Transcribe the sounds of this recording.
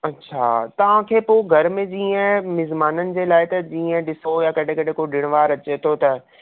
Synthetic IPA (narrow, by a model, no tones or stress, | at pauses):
ɐtːɕʰa̰ːt̪ɐʋ̤ãkʰeːpoːɡʱɐɾmẽd͡ʑiːə̃mɪzmaːnənɪ̆d͡ʑeːlaːɪt̪ɐd͡ʑiːə̃ɗɪsojakɐɗʱẽkɐɗẽkoɗɪɽ̃ʋaːɾɐt͡ɕet̪ʰot̪ɐ